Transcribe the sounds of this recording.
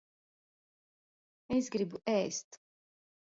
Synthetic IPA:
ɛsɡɾibuʔɛːst̪ʰ

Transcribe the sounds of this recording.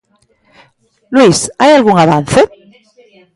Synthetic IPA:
lwisajalɣuŋaβan̟θe

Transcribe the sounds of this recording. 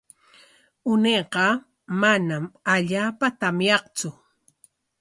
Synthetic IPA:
ʊnejqɑ | manamaʎaːpat̪amjɑχt͡sʊ

